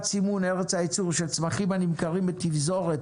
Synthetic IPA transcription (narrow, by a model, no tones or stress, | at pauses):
t͡simunɛʁɛt͡shait͡suʁʃɛlt͡smaχimhanimkaʁimbət̪ivzoʁet